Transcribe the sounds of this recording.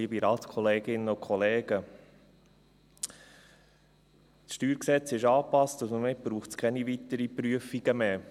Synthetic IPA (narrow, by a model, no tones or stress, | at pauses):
ibiɾɑːt̪kʰχɔleːɡɪnːəʊkχɔleːɡ̥ə | sʃtyːɾksɛt͡sɪʃɑːpɑstʊsməmɪb̥ɾuːχtskʰɛniʋit̪əɾipɾyəfiɡ̥əmeː